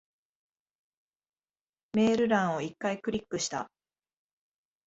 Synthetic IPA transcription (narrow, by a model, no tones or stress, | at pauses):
me̞ːɾɯ̟ɾãɰ̃o̞ikːaikɯ̟ɾʲikːɯ̟ɕi̥t̪a̰